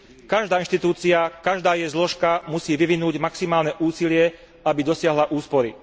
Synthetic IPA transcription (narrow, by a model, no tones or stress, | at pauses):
kaʒd̪aːinʃt̪it̪uːt͡siakaʒd̪aːjɛjzlɔʃkamusiːʋiʋinuːɟmaksimaːlnɛʔuːsilɪɛ | abid̪ɔsɪaɦlaʔuːspɔɾi